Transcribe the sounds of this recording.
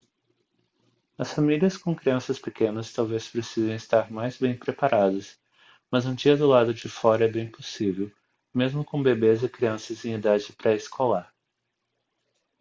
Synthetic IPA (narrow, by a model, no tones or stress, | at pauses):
ɐsfamiliɐskõkɾiɐ̃sɐspekẽnɐst̪awvespɾesizɐ̃w̃ɪst̪aɾmajzbẽj̃pɾepaɾad̪ɐs | mɐzɐ̃nt͡ʃiɐd̪ʊlad̪ʊd͡ʒɪfɔɾɐɛbẽj̃posivew | mezmʊkõbebezɪkɾiɐ̃sɐzẽj̃id̪ad͡ʒɪpɾɐɪskʰɔlaɾ